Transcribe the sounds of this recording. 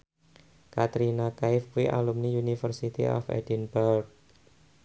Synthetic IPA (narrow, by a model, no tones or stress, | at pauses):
kat̪ɾinakaɪfuwiʔa̰lumniunifərsit̪ḭʔɔ̰fɛ̰dinbark̚